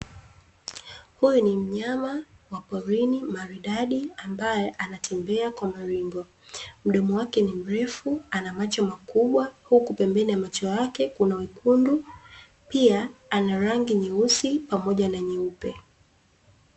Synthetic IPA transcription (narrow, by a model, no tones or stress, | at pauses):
hujunim̩ɲamawapɔɾinimaɾiɗaɗiambajɛʔanatʰɛmbɛakwamaɾiŋɡɔ | m̩ɗɔmɔwakɛnim̩ɾɛfuanamat͡ʃɔmakuɓwahukupɛmbɛniamat͡ʃɔjakɛkunawikʰundu | piaanaɾaŋɡiɲiusipamɔʄanaɲiupɛ̰